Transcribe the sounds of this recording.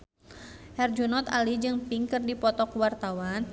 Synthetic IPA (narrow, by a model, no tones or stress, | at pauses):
hɛrd͡ʒunɔt̪alid͡ʒɨŋpiŋkɨrdipɔt̪ɔkwart̪awan